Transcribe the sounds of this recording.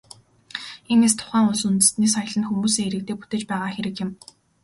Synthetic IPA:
enes̬t̪ʰʊ̥χæːŋʊsunt̪ɘ̥̆st̪niːsaj̆ɮə̆nxumuːsiːeɾɘ̆k̚t̪eːput̪eːt͡ɕpæːʁaːxeɾɘ̆kjɪ̆m

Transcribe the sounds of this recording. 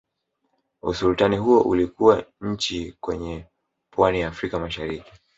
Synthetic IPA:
usultaniɦuɔʔulikuwaɲ̩t͡ʃikwɛɲɛ | pwanijaːfɾikamaʃaɾiki̥

